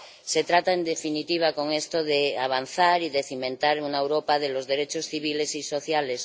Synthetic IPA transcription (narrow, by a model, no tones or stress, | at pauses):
set̪ɾat̪aend̪efinit̪iβ̞ako̞ŋest̪oðeaβ̞an̟θaɾiðeθimẽnt̪aɾunaewɾopaðelozðeɾet͡ʃosθiβ̞ile̞siso̞θjales